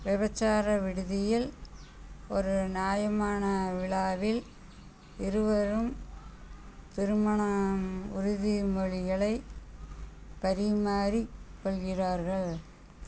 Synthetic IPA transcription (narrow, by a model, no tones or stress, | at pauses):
ʋɪbɐt͡ʃːaːɾɐʋɪɽɯðɪjɪl | ɔɾɯnjaːjɐmaːnɐʋɪɭaːʋɪl | ɪɾɯʋɐɾɯm | t̪ɪɾɯmɐɳɐʊɾʊðimɔɻɪɣɐɭɐɪ | pɐɾɪmaːɾikːɔɭɣɪraːɾɣɐɭ